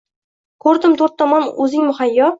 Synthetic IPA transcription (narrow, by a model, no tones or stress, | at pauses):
kʰɵɾd̪ɪmt̪ʰɵɾt̪ʰːɒmɒnɵzɪŋmʊχajːɒ